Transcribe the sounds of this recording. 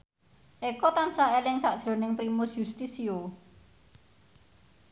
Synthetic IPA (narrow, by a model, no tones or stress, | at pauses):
ʔekɔt̪ansaelɪŋsaʔd̥ʒ̥ɾo̤nɪŋpɾimʊsjust̪isio